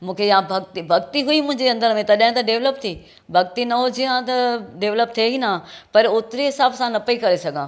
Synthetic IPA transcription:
mũːkʰejãbʱɐɡt̪ibʱɐɡt̪iɦʊimʊ̃ɦɪ̃ɲd͡ʑeɐ̃nd̪əɾmẽt̪ɐɗɦɪ̃t̪ɐɖeːʋləp̚t̪ʰiː | bʱɐɡt̪inɐɦod͡ʑiãt̪ɐɖeːʋləp̚t̪ʰeɦinãpɐɾʊt̪ɪɾeɦɪsaːbsãnɐpɐikɐɾesɐɡʱãː

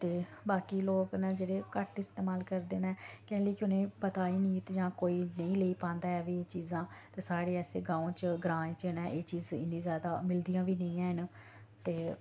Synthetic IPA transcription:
t̪eːbaːkiːloːkned͡ʒeːɽeːkəʈɪst̪eːmaːlkəɾd̪eːnɛːkɛːləiːkɪʊnẽːpət̪aːiːniːt̪d͡ʒãːkoːiːnəĩːleiːpãːnd̪aːɛːʋiːeːt͡ʃiːzãːt̪eːsaːɽeːɛːseːɡãːõːt͡ʃəɡɾãːt͡ʃnɛ̃ʔeːt͡ʃiːzɪ̰nːĩːzjaːd̪aːmɪld̪ijãːʋiːnəĩːãːɦɪn | t̪eː

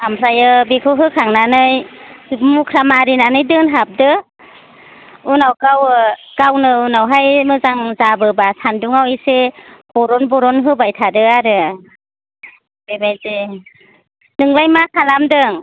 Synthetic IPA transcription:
amʰɾajɯbikʰɯɦɯkʰaŋnanɯj | mukʰɾamaɾinanɯjdɯnɦap̚dɯ | unawkawkawnɯunawɦajmɯzaŋzabɯbasʰanduŋawiseb̥ɔɾɔnbɔɾɔnɦɯbajtʰadɯaɾɯ | bebajze | nɯŋlajmakʰalamdɯŋ

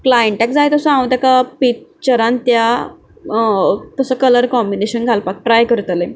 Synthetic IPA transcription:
klajəɳʈɛkd͡zajt̪əsəãw̃t̪akapit͡ɕəɾãnt̪ja | t̪əsəkələɾkɔmbineɕənɡʱalpak̚ʈɾajkəɾut̪ale

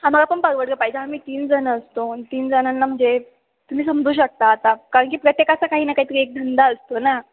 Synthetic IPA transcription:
hãmaɡapəɳpəɾʋəɽɡəpajid͡ʑeɦamiːt̪iːnd͡zənəst̪ont̪iːnd͡zənənːam̤əɳd͡ze | t̪um̤iːsəmd͡zʱuːɕ̬ək̚t̪aːt̪akaɾəɳkiːpɾət̪jekasakaɦiːnakaɦiːt̪əɾiek̚d̪ʱənd̪aəst̪ona

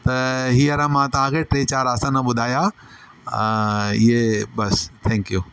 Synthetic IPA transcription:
t̪ɐɦiːɐɾãmãt̪ɐʋ̤ãkʰeʈɾeːt͡ɕaːɾaːsãnɐɓʊd̪ʱaːja | ɪebɐst̪ʰɛ̃ːŋkjuː

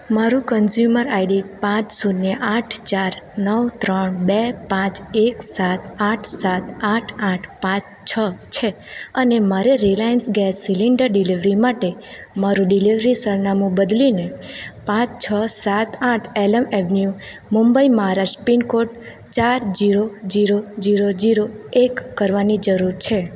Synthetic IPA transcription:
maɾũkənzjuməɾaiɖipãt͡ʃsunːeʔaʈʰt͡ʃaɾnəwt̪ɾəɳbepãt͡ʃeksat̪aʈʰsat̪aʈʰaʈʰpãt͡ʃ | t͡ʃʰət͡ʃʰe | ənemaɾeɾilajənsɡɛsːiliɳɖəɾɖiliʋɾimaʈemaɾũɖiliʋɾisəɾnamũbəd̪linepãt͡ʃt͡ʃʰəsat̪aʈʰɛləmɛʋnju | mumbəiməɦaɾaʃʈpinkoʈ | t͡ʃaɾd͡ʒiɾod͡ʒiɾod͡ʒiɾod͡ʒiɾoekːəɾʋanid͡ʒəɾuɾt͡ʃʰe

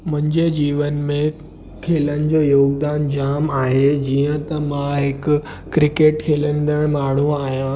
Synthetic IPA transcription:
mɐ̃ɲd͡ʑed͡ʑiːʋənmẽ | kʰeːlənɪ̆d͡ʑoːjoːɡd̪aːnd͡ʑaːmaːɦed͡ʑiːə̃t̪ɐmãɦɪkʊ | ɾɪkeːʈkʰeːlənɪd̪əɽ̃maːɳ̤ũaːɦijã

